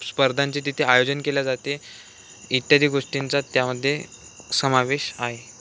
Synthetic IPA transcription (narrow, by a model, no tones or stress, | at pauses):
spəɾd̪ʱãɲt͡ɕit̪̬it̪ʰeajod͡zənkeljad͡zat̪e | it̪jad̪ʱiːɡoʂʈint͡sat̪jaməd̪ʱːje | səmaʋeɕaɦe